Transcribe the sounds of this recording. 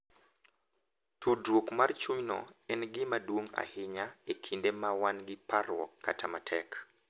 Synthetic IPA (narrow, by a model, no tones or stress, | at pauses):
tʰodwokmart͡ʃuɲnɔ̰ɛnɡɪmadwoŋa̰hɪɲaekʰindemawanɡɪparwɔ̰kːatʰamatʰɛk